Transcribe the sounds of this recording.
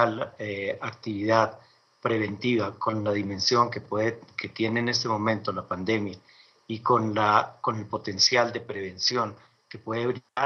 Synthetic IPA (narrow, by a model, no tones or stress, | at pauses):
aleak̚t̪iβiðað | pɾe̞βe̞nt̪iβako̞nlaðimẽ̞nsjo̞ŋkepweðeke̞t̪je̞ne̞ːne̞st̪e̞mõ̞mẽnt̪olapand̪e̞mja | ikonlako̞ne̞lpo̞t̪e̞nsjald̪e̞pɾe̞β̞e̞nsjo̞ŋ | ke̞pwe̞ðeβɾia